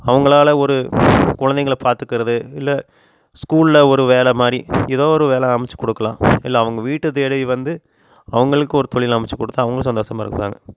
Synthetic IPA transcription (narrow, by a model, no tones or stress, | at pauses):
ɐʋɐŋɡɐɭaːlɐɔɾɯkʊɻɐnd̪ɛŋɡɐɭpaːɾt̪ɯkːɪɾɐðɯɪlːɐ | skuːllɐɔɾɯʋeːlɛmaːɾiɛðoːɔɾɯʋeːlɛɐmɪt͡ʃːɯ̥kɔɽɯkːɐlã̰ːɪlːɐːʋɐŋɡɐʋiːʈːɯt̪eːɽɐʋiʋɐnd̪ɯ | ɐʋɐŋɡɐɭɯkːɯɔɾɯt̪ɔɭɪlɐmɪt͡ʃːɯkɔɽɯt̪ːɯɐʋɐŋɡɐɭsɐnd̪oːsɐmaːɪɾɯ̰kːʋa̰ːŋɡɐ